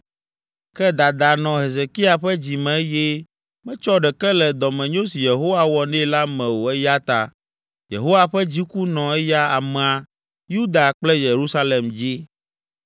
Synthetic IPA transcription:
kɛ˦d̪a˨d̪a˨nɔ̃˨ɦe˨ze˨ki˦a˨ɸɛ˦d͡ʑi˨mɛ̃˨˦je˦ | mɛ̃˦t͡ʃɔ˦ɖɛ˨kɛ˦lɛ˨d̪ɔ˨mɛ̃˨ɲõ˦si˨je˨ɦo˦wa˦wɔ˨nɛ̃˦la˦mɛ̃˨wo˨ɛ˦ja˦t̪a˨ | jḛ˨ɦo˦wa˨ɸɛ˦d͡ʑi˦ku˦nɔ̃˨ɛ˦ja˦a˨mɛ˨a˨ | ju˦d̪a˨k͡plɛ˦je˨ɾu˦sa˦le˨md͡ʑi˦

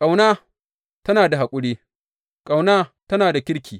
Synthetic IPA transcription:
kʼa˨wnaː˦ | tɐ˦naː˨da˨ɦa˨kʷʼʊ˦ɽeː˦ | kʼa˨wnaː˦tɐ˦naː˨da˨kʲɪ˦ɽkʲiː˨

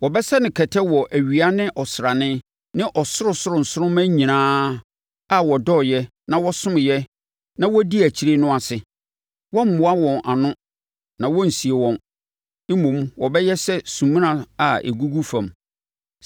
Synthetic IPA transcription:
wɔ˨bɛ˦sɛ˦nɪ̃˨kʰɛ˨tʰɛ˦wɔ˨ʔæ˨ɥi˨a˦nɪ̃˦ʔɔ˨sɾa˨nɪ̃˦ | nɪ̃˦ʔɔ˨sʊ˦ɾʊ˨sʊ˦ɾʊ̃˨n̩˨sʊ˦ɾʊ̃˦mæ̃˦ɲĩ˨nãː˦ | a˦wɔ˨dɔ˦˨jɛ˦ | nã˨wɔ˦sʊ̃˦m˨jɛ˦ | nã˦wɔ˦di˦æ˨t͡ɕʰi˨ɾe˦nʊ̃˦a˨sɪ˨ | wɔ̃˦m̩˦˨mʊ̃˨˦a˦wɔ̃˨nʔa˨nʊ̃˦ | nã˨wɔ̃˦n̩˨si˨e˨wɔ̃˨n | e˦mũ˨mwɔ˨bɛ˦jɛ˦sɛ˦sũ˨mũ˦ã˨a˦˨ḛ˨ɡu˦ɡu˦fã˨m

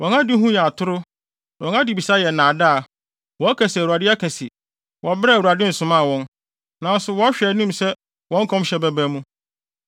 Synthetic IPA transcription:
wʔɔ̃˨ŋã˦dɪ˦ɦũ˦jɛ˨a˨tʰʊ˦ɾʊ˦ | wɔ̃˨ŋã˦dɪ˨bi˨sa˦jɛ˨nã˨da˦˨ | wɔ̃˨a˦kʰæ˨si˨u˨a˨dɪ˦a˦kʰɛ˨si˨ | wɔ˨bɪ˦ɾɛ˦˨u˨a˨dɪ̃˦n̩˨sʊ̃˨mã˦˨wɔ̃˦n | nã˨n̩˦sʊ˨wɔ˦ɕᶣɛ˨nũ˦msɛ˦ | wɔ̃˦ŋ̩˦kʰɔ̃˦mɕɛ˦bɛ˦bæ˦mũ˦

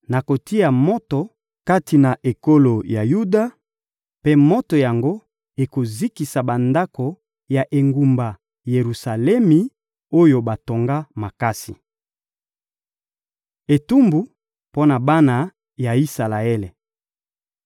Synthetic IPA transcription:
na˨ko˨ti˦a˨mo˦to˨ | ka˦tʰi˨na˨ʔe˨ko˦lo˨ja˨ju˦da˦ | pe˦mo˦to˨ja˨ŋɡo˦ | e˨ko˨zi˦ki˨sa˨ba˨nda˦ko˨ | ja˨ʔe˨ŋɡu˨mba˨ | je˨ʁu˨sa˨lɛ˦mi˨ | o˦jo˨ba˨to˨ŋɡa˦ma˨ka˦sḭ˨ | e˨tu˦mbu˨˦ | po˦na˨ba˦na˨ | ja˨i˦sa˨la˨e˦le˨

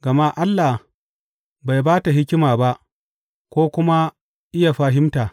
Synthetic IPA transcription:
ɡɐ˨ma˦ʔa˦lːa˨ | ba˨jbaː˦ta˨ɦɪ˦kʲɪ˦maː˨ba˦ʔ | kʷoː˦kʷʊ˦ma˦ | ʔɪ˦ja˨ɸa˨ɦɪ˦mtaː˨

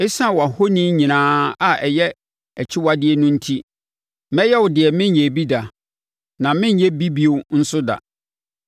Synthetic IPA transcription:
e˦sã˦˨wa˨ho˦nĩ˦ɲĩ˨nãː˦a˨ɛ˨jɛ˦ | ɛ˨t͡ɕʰɪ˦wa˦dɪ˨ɛ˨nʊ̃˦n̩˦tʰi˦ | mɛ̃˦jɛ˦wʊ˨dɪ˨ɛ˨mɪ̃˦n˦jɛ˨bi˦da˨ | nã˨mɪ̃˦n˦jɛ˦bi˦bi˦o˨˦n̩˦sʊ˦da̰˨

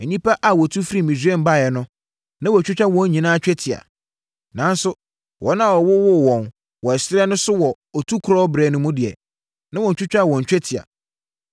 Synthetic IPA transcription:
ɛ˨nĩ˦pʰa˦ʔa˨wɔ˨tʰu˦fɾi˦˨mĩ˨sɛ̃˦m˨˦ba˦˨jɛ˨nʊ̃˦ | nã˦wɔ˨t͡ɕᶣɪ˦t͡ɕᶣa˦wɔ̃˨˦ɲ˦ɲĩ˨nãː˦t͡ɕᶣɛ˦tʰɪ˨a̰˨ | nã˨˦n˦sʊ˦ | wʔɔ˨˦nã˦˨wɔ˨wʊ˦wʊ˦wɔ̃˨n | wɔ˨ɛ˨sɪ˦ɾɛ˦nʊ̃˦sʊ˦wɔ˨ | ɔ˨tʰu˦kʰu˨ɾɔ˦bɾɛː˨nʊ̃˦mʊ̃˦dɪ˨ɛ̰˨ | nã˦wɔ̃˨n˨t͡ɕᶣɪ˦t͡ɕᶣa˦˨wɔ̃˨ɲ˨t͡ɕᶣɛ˦tʰɪ˨a̰˨

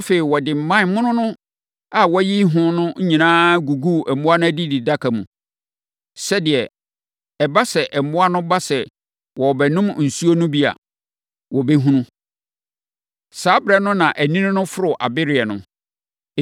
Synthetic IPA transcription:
fe˨i˨wɔ˨dɪ˨m̩˨mã˦n˨mʊ̃˦nʊ̃˦nʊ̃˦ | a˨wɔ˦ji˦ɦʊ̃˦nʊ̃˦ɲĩ˨nãː˦ɡu˨ɡu˦ɛ˨mʊ̃˦a˦nʊ̃˦æ˦di˦di˨da˦kʰa˨mṵ̃˨ | sɛ˦dɪ˨ɛ˨ | ɛ˨ba˦sɛ˨ʔɛ˨mʊ̃˦a˦nʊ̃˦ba˦sɛ˨ | wɔ˨bɛ˨nʊ̃˦mn̩˨su˦o˦nʊ̃˦bi˦a̰˨ | wɔ˨be˦ɦũ˦nũ˦ | saː˨˦bɾɛ˦nʊ̃˦nã˨ʔæ˨nĩ˦ñ˦nʊ̃˦fʊ˦ɾʊ˨ʔa̰˨bɪ˦ɾɪ˨ɛ˨nʊ̰̃˨

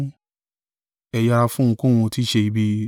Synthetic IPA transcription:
ɛ˧ja˧ɾa˧fũ˦˧kũ˦w̃ũ˧ti˦ʃe˧i˧bi˧

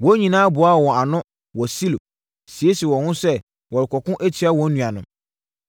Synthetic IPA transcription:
wɔ˦ɲĩ˨nãː˦bʊ˨˦a˦˨wɔ̃˨a˨nʊ̃˦ | wɔ˨si˦lo˨ | si˨e˦si˨wɔ̃˨hʊ̃˦sɛ˦ | wɔ˨ɾɪ˨kɔ˨kʊ̃˦ʔe˦t͡ɕʰi˨˦a˦wɔ̃˨˦nũ˨a˨nʊ̃˨˦

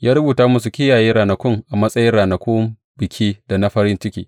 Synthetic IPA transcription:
jaː˦ɾʊ˦buː˨taː˦mʊ˦su˨kʲɪ˦jaː˨jeː˦ɾaː˨nɐ˨kʷʊ˦ŋʔa˨mɐ˦sʼɐ˦jɪ˦nɽaː˨nɐ˨kʷʊ˦m | bɪ˨kʲʰiː˦d̥a˨na˦ɸɐ˦ɾɪ˦nt͡ʃɪ˦kʲiː˦

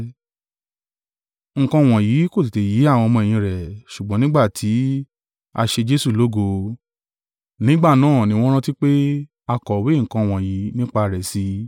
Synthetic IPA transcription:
ŋ̩˨kã˧w̃ɔ̃˨jiː˨˦ko˦˨si˨te˨ji˨˦a˦˨w̃ɔ̃˧mɔ̃˧e˨j̃ĩ˧ɾɛ˨ʃu˨ɡ͡bɔ̃˨˦nĩ˦ɡ͡ba˦˨tʰi˨˦ | a˧ʃe˧d͡ʒe˦su˦˨lo˨˦ɡo˧ | nĩ˦ɡ͡ba˦˨nãː˦˨nĩ˨˦w̃ɔ̃˦ɾ̃ã˦ti˦k͡pe˦ | a˧kɔ˨we˨˦ŋ̩˨kã˧w̃ɔ̃˨ji˨˦nĩ˦k͡pa˧˨ɾɛ˨si˧˦

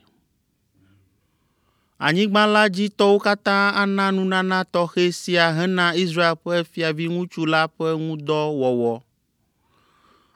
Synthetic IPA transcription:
a̰˨ɲĩ˦ɡ͡bã˦la˦d͡ʑi˦t̪ɔ˦wo˦ka˦t̪ã˦a˦nã˦nũ˦nã˦nã˦t̪ɔ˦xe˦si˦a˨ɦɛ̃˦nã˦i˦s̬ɾa˦e˨lɸɛ˦fi˨a˨vi˦ŋũ˦t͡ʃu˦la˦ɸɛ˦ŋũ˦d̪ɔ˦wɔ˨wɔ˨

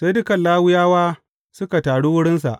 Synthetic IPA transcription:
sa˦jdʊ˦kɐ˨nlaː˦wʊ˦jaː˦waː˦ | sʊ˦ka˨taː˨ɽu˦wʊ˦ɽɪ˦ns̬a̰˨ʔ

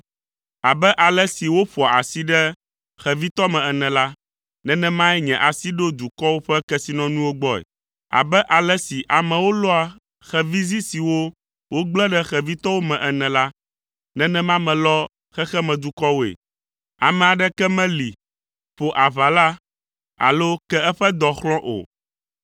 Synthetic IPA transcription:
a˨bɛ˦ʔa˨lɛ˦si˨wo˦ɸɔ˨a˨si˦ɖɛ˦ | xɛ˨vi˦t̪ɔ˦mɛ̃˨ɛ˨nɛ̃˨la˦ | nɛ̃˦nɛ̃˦mã˦ɛ˦ɲɛ̃˨ʔa˨si˦ɖo˦d̪u˨kɔ˦wo˦ɸɛ˦kɛ˦si˨nɔ̃˦nũ˦wo˦ɡ͡bɔ˦ḛ˨ | a̰˨bɛ˦ʔa˨lɛ˦si˨ʔa˨mɛ̃˨wo˦lɔ˦a˨ | xɛ˨vi˦zi˦si˨wo˦ | wo˦ɡ͡blɛ˦ɖɛ˦xɛ˨vi˦t̪ɔ˦wo˦mɛ̃˨ʔɛ˨nɛ̃˨la˦ | nɛ̃˦nɛ̃˦mã˦mɛ̃˨lɔ˦ | xɛ˦xɛ˦mɛ̃˨d̪u˨kɔ˦wo˦ḛ˨ | a˨mɛ̃˨a˨ɖɛ˦kɛ˦mɛ̃˦li˨ | ɸo˨ʔa˨βa˨la˦ | a̰˨lo˦kɛ˦ɛ˦ɸɛ˦d̪ɔ˨xlɔ̃˦ʔo̰˨

